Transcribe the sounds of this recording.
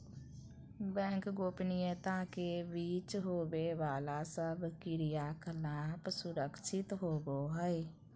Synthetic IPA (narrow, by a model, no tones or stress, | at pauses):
bɛ̃ːŋkɡoːpnɪjẽːt̪ãːkebiːt͡ʃɦoːʋeːʋaːlaːsəbkɪɾɪjaːkʰəlaːpsʊɾəkʰʃɪt̪ɦoːboːɦəiː